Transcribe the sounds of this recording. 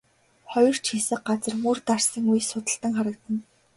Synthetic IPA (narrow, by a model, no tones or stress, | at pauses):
χɔjɞ̆r̥t͡ɕxesɘ̆k̚ɢat͡sə̆rmurt̪arsə̆ŋujsʊt̪ə̆ɬt̪ə̆ŋχaɾə̆kt̪ə̆n